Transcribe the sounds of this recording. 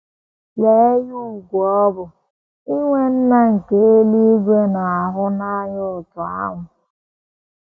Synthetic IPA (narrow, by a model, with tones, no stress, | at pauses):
le˨˦e˦ju˦u˨ɡʷɔ˦bʊ˨ | i˦ŋʷe˦n̩˦na˦ŋ̩˨ke˨e˦li˦ɡʷe˦na˨a˨ɦʊ˦na˦ɲʊ˦ʊ˨tʊ˨a̰˦ŋʷʊ˨